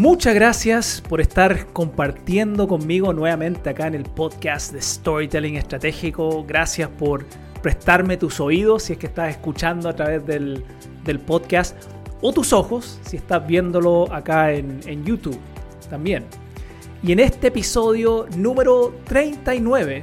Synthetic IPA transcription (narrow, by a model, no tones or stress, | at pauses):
mut͡ʃazɣɾasjaspoɾest̪aɾko̞mpaɾt̪je̞nd̪oko̞mːiɣo̞nweβamẽ̞nt̪eakaene̞lpoðkasd̪est̪oɾit̪eliŋest̪ɾat̪exikoɣɾasjaspoɾ | pɾest̪aɾme̞t̪uso̞ið̞osːiehkest̪ase̞skut͡ʃand̪oat̪ɾaβezðel | d̪e̞lpoðkast̪ | ot̪usoxo̞sːiest̪azβje̞nd̪oloakaenenjut̪uβ | t̪ambje̞n | ienest̪eːpisoðjonume̞ɾot̪ɾejnt̪ainwe̞βe